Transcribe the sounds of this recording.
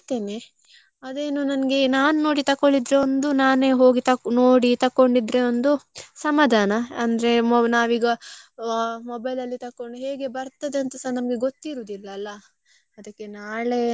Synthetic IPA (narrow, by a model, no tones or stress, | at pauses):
t̪ːeːne | ɐd̪e̞ːnunɐnɡe̞naːnuno̞ːɽit̪ɐkːoɭid̪ɾeond̪unaːneːɦo̞ːɡit̪ɐno̞ːɽit̪ɐkːo̞ɳɖid̪ɾeond̪usɐmaːd̪ʱaːnɐɐnd̪ɐɾe̞naːʋiːɡɐ | mɔbɐjlɐlːit̪ɐkːoɳɖuɦe̞ːɡe̞bɐɾt̪ɐd̪eɐnt̪ɐsɐnɐmɐɡe̞ɡot̪ːiɾuːd̪ilːɐːlːɐ | ɐd̪ɐkːe̞naːɭe̞